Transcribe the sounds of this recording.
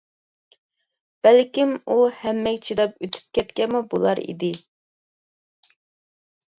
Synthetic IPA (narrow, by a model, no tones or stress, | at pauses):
b̥ælkʲimuhɛmːɛkʲt͡ʃʰid̪ɑpøt̪ʰy̥p̚kʲɛt̪kʲɛmubulˠɑ̰ɾḭd̪ɪ